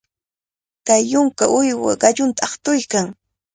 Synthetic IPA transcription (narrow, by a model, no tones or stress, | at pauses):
kajːʊŋkaʔʊjwa̰ɢɑʎʊnt̪aɑχt̪ʊjkaŋ